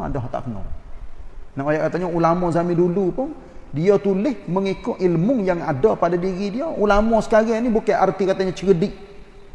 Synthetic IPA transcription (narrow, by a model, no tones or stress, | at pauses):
a̰dɔɦt̪a̰ʔkənɔ̰ | naʔojaʔkat̪aɲaulamɔzamɪndulupʊn | diət̪ulɪhməŋikʊʔilmʊŋjaŋadɔpadadiɣidiəʔulamɔsə̥kaɾanibukaʔart̪ikat̪aɲat͡ʃəɡədɪk̚